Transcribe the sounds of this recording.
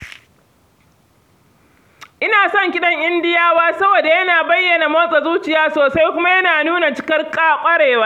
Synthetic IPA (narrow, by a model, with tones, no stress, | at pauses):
ʔɪ˦naː˨sɔ˦ŋkʲɪ˦ɗɐ˦ŋʔɪ˦ndɪ˦jaː˦waː˦sɐ˦bo˨da˨jɐ˦naː˨bɐ˦jːɐ˨na˨mɐ˦sʼɐ˨zuː˦t͡ʃɪ˨jaː˦soː˨sa˦jkʷʊ˦ma˦jɐ˦naː˨nuː˦na˨t͡ʃɪ˦kɐ˦rkʼaː˦kʷʼɐ˦ɽeː˨waː˦